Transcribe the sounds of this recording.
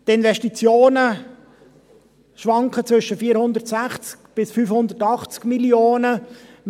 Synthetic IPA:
t̪ɪnvɛʃtit͡sjoːnə | ʃʋɑŋkχət͡sʋʏʃəfiːɾhʊnd̪ətsæχt͡skb̥ɪsfyːfhʊnd̪ərtɑχt͡skmiljoːnə

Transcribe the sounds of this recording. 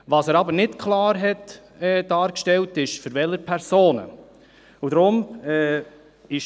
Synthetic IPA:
ʋɑsæːɾɑbənɪtkʰlɑːɾɦɛt | ɛd̥ɑːɾkʃtɛltɪʃføɾvɛləɾpʰɛɾsoːnə̰ | ud̪ɾʊmɛː | ɪʃ

